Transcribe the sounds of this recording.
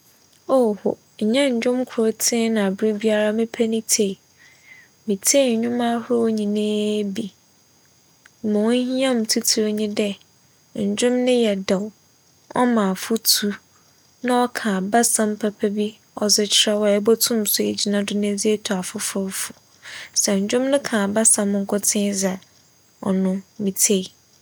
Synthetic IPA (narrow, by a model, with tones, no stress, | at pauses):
o˦˨hʊ˨ | ɲ̩˨ɲɛ̃˦ɲ̩˨d͡ʑᶣʊ̃˦mkʰʊ˨ɾʊ˦tʰɪ̃˦nã˨a˨bɾi˦bi˦a˦ɾa˦mɪ̃˦pʰɛ˦nɪ̃˦tʰe˨ | mĩ˨tʰːɲ˨ɲᶣʊ̃˦ma˦hʊ˦ɾo˦wɲĩ˨nẽː˦bi˨ | mʊ̃˨w̃hĩ˦ã˦m̩˨tʰu˦tʰi˨ɲĩ˦dɛ˦ | ɲ̩˨d͡ʑᶣʊ̃˦mnɪ̃˦jɛ˨da˨w | ɔ̰˦mã˨fʊ˦tʰu˦ | nã˦ɔ˦kʰã˨ba˦sã˨m˦pʰa˨pʰɛ˦bi˦ | ɔ˨zɪ˦t͡ɕʰɪ˨ɾa˦wɔ˨ɛ˦bɔ˦tʰũ˦msʊ˨e˨d͡ʑi˨nã˦dʊ˦nã˦d͡zi˦e˦tʰu˨a˨fʊ˦fʊ˦fu̥˨ | sɛ˨ɲ̩˨d͡ʑᶣʊ̃˦mnʊ̃˦kʰã˨ba˦sã˨mŋ̩˦kʰʊ˦tʰɪ̃˦za˨ | ɔ̰˨nʊ̃˦mĩ˨tʰe˦i˨